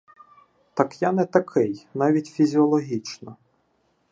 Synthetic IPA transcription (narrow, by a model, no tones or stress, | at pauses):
t̪ɑkjanɛt̪ɐkʰɪjnɑʋʲitʲfʲizʲiɔlˠɔɦʲit͡ʃnɔ